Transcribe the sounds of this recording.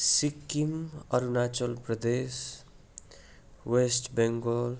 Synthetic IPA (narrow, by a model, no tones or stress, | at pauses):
sikːimə̰ɾunaːt͡ʃəlpɾəd̪eːs | wesʈbẽŋɡol